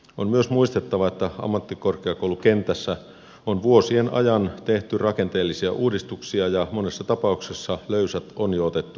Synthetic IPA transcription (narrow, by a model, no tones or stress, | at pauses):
onmyøsmuist̪et̪ːɑʋɑet̪ːæɑ̰mːɑt̪ːikorkeɑkoulukent̪ːˑæsːæ | onʋuosienʔɑ̰jɑnt̪eht̪yrɑke̞nt̪eːlːisiæʔuːdist̪uksiɑjɑmonesːɑt̪ɑpɑuksesːɑløysæt̪onjoːt̪et̪ːu